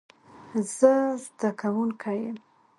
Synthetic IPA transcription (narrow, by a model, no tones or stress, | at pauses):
z̥əzd̪akʰawuŋkʰajəm